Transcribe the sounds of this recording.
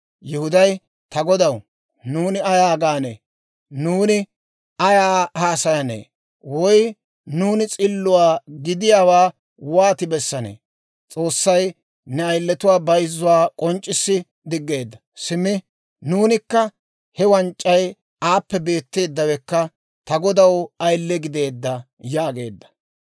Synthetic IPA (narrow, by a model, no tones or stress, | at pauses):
jɛhʊd̪ɐj | t̪ɐɡɔd̪ɐw | nuːnɪɐjaːɡaːnḛː | nuːnɪ | ɐjaːhaːsɐjɐnḛː | wɔj | nuːnɪt͡sʼɪlːʊwaːɡɪd̪ɪjaːwaː | waːt̪ɪbɛsːɐnḛː | t͡sʼo̞ːsːɐj | nɛɐjlːɛt̪ʊwaːbɐjzːʊwaːkʼɔnt͡ʃʼːɪsːɪ | d̪ɪɡːe̞ːd̪ːɐ | sɪmɪ | nuːnɪkːɐ | hɛwɐnt͡ʃʼːɐj | aːpːɛbe̞ːt̪ːe̞ːd̪ːɐwɛkːɐ | t̪ɐɡɔd̪ɐwɐjlːɛɡɪd̪e̞ːd̪ːɐ | jaːɡe̞̰ːd̪ːɐ̥